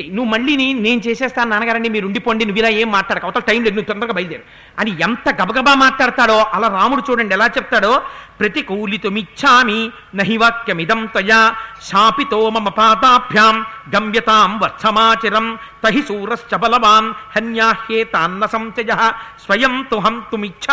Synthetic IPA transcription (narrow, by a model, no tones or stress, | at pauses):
nuʋːumɐɭːinine̞ːnut͡ʃeːsɛːst̪aːnnaːnɐɡaːɾɐɳɖimiːɾuɳɖipoːjɳɖinuʋːilaːeːmːaːʈlaːɽɐkɐʋɐt̪ɐlɐʈɐjmleːunuːt̪ɔnd̪ɐɡabɐjlḛːɾu | ɐnient̪ɐɡɐbɐɡɐbaːmaːʈlaːɽt̪aːɽoːʔɐlaːɾaːmuɽut͡ʃuːɽɐɳɖiɛlaːt͡ʃɛp̚t̪aːɽoːpɾɐt̪ikuːlit̪omit͡ʃːʃʰaːmi | nɐɦiʋaːkjɐmid̪ɐmt̪ɐjaːʃaːpit̪oːmɐmɐpaːd̪aːbʱjaːmɡɐmjɐt̪aːmʋɐɾsʰɐmaːt͡ʃiɾɐm | t̪ɐɦisuːɾɐst͡ʃɐbɐlɐʋaːnhɐnjaːhjeːt̪aːnːɐsɐmt͡ʃɐjɐɦɐsʋɐjɐmt̪uɦɐmt̪umit͡ʃʰa